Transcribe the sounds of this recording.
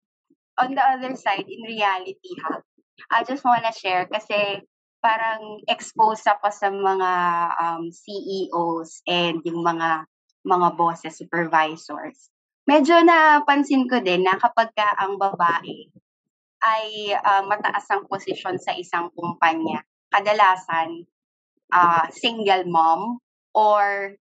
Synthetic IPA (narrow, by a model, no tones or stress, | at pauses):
ʔɔ̃nd̪ɐʔɐðɛɹsajd̪̚ɪnɹɪalɪt̪̚iha | ʔɐjd͡ʒɐst̪̚wanɐʃɛɹkɐsɛ | paːɾɐŋɛkspowsɐkosɐmɐŋaʔɐmsiːʔiːʔosʔɛnd̪jʊŋmɐŋa | mɐŋaboːsɛsːupɛɹvajso̰ɹs | mɛd͡ʒo̞nɐpɐnsɪnkod̪ɛnːɐkɐpɐɡ̚kɐʔɐŋbɐbaːʔɛ | ʔɐjʔɐmːɐt̪ɐ̰ʔasɐŋposɪʃo̞nsɐʔɪsaŋkʊmpaɲːɐ | kɐd̪ɐlaːsɐn | ʔasiŋɡɐlmɐm | ʔoɹ